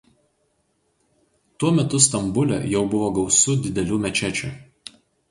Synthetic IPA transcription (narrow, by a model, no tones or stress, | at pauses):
t̪uɔmʲɛt̪ʊst̪ɐmbʊlʲɛ̰jɛʊbʊʋoːɡɒʊsʊd̪ʲɪd̪ʲɛlʲuːmʲɛt͡ʃʲæt͡ʃʲṵːˑ